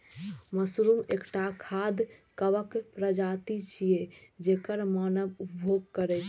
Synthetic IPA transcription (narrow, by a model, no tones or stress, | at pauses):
məsɾumḛkʈakʰad̪kəbəkpɾəd͡ʒat̪it͡ʃʰijed͡ʒekəɾmanəbupbʱoɡ̚kəɾɛt͡ʃʰ